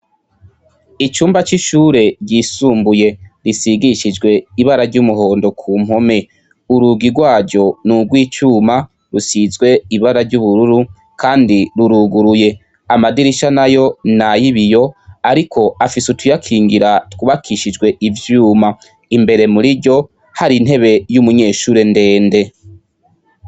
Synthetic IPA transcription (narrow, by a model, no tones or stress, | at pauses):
it͡ʃuːmbat͡ʃiʃuːɾe̞ɾɟiːsuːmbuje̞ɾisiɡiʃid͡ʒɡwe̞iβaɾaɾɟumuɦo̞ːndo̞kʰuːm̥ho̞me̞ | uɾuɡiɾɡwaːɟɟo̞nuɡwiːt͡ʃuːma | ɾusizɡwe̞iβaɾaɾɟuβuɾuɾu | kʰaːndiɾuɾuɡuɾuje̞ | amadiɾiʃanajo̞najiβijo̞aɾikʰo̞afisutʰujakʰiːŋɡiɾatkuβakʰiʃid͡ʒɡwe̞ʔivjuːma | imbe̞ɾe̞muɾiɾɟo̞ | haɾin̥he̞βe̞jumuɲe̞ːʃuːɾende̞ːnde̞